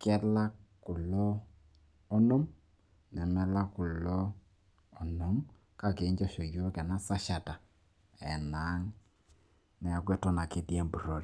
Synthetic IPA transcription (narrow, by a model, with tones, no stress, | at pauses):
kɛ˦la˦kʊ˨lɔ˦ | ɔ˦no˦m | nɛ˨nɛ˦la˦kʊ˨lɔː˦˨ | no˨˦m | ka˦˨ke˨˦ɲd͡ʒɔ˦ʃo˨jo˦kɛ˨na˦sa˦ʃa˨ta˨ | ɛ˨na˨˦ŋ | nɛ˨a˨ɡwɛ˦tɔ˦na˨kɪ˦dje˦mbu˨ɾo˨ɾi˨